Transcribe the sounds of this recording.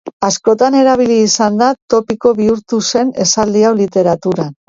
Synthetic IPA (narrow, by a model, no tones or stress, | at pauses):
asko̞t̪ane̞ɾaβ̞iliːsand̪at̪o̞piko̞βiuɾt̪use̞ne̞sald̪iawlit̪e̞ɾat̪uɾa